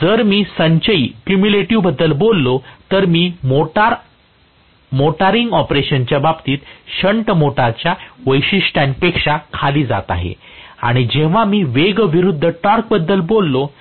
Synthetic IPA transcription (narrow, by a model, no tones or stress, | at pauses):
d͡zəɾmiːsəɲt͡ɕəiːkjumuleʈiʋbəd̪ːəlbolːot̪əɾmiːmoʈaɾ | moʈaɾiŋɡɔpɾeɕənt͡ɕjababt̪iːt̪ɕəɳʈmoʈaɾt͡ɕjaʋəjɕisʈãnpekʂakʰaliːd͡za̰t̪a̰ɦḛ | a̰ɽ̃id͡ʑeʋ̤amiːʋeɡʋiɾud̪ʱːəʈɔɾk̚bəd̪ːəlbolːo